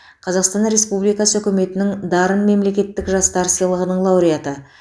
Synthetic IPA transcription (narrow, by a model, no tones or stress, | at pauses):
qʰɑzɑqst̪ɑnɾe̞spublijkɑsəɵkʲɪme̞t̪ɪnɪŋd̪ɑɾənme̞mle̞kʲe̞t̪ːɪkʒɑst̪ɑɾsijlˠəʁənəɴlˠɑwɾijat̪ə